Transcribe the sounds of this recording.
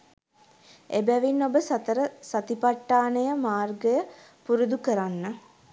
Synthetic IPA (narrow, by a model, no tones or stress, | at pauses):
ebæʋinːobəsat̪əɾəsat̪ipaʈːaːnəjəmaːrɡəjə | puɾud̪ukəɾanːə